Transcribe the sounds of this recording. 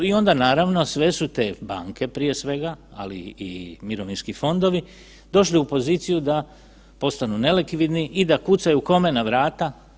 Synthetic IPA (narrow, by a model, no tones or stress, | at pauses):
io̞nd̪anaːɾaʋno̞sʋe̞sut̪e̞ːba̰ːŋke̞pɾije̞sʋe̞ɡaa̰lḭḭmiɾo̞ʋinskifo̞nd̪o̞ʋi | d̪o̞ʃliupo̞ziːt̪sijud̪a | po̞st̪anune̞lekʋid̪niʔid̪akut̪sajuko̞me̞naʋɾaːt̪a